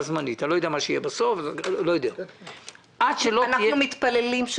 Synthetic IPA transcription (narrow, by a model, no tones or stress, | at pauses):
zmaniat̪alo̞jodeamaʃeijebasoflojod̪ea | ʔadʃelonajumit̪palelimʃ